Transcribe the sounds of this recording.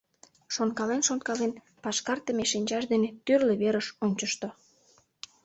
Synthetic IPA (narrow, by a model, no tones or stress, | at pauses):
ʃonkɑlenʃonkɑlen | pɑʃkɑrt̪əmeʃinʲt͡ɕɑʃd̪enet̪yrleβeɾəʃonʲt͡ɕəʃt̪o